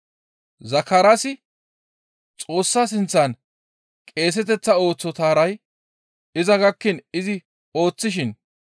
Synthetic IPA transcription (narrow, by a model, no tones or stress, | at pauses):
zɐkːɐɾasɪ | t͡sʼo̞ːsːaːs̬ɪnt͡sːɐn | kʼe̞ːs̬ɛt̪ɛt͡sːɐo̞ːt͡sːɔt̪aːɾɐj | ɪzɐɡɐkːɪnɪzɪ | o̞ːt͡sːɪʃ̬ɪn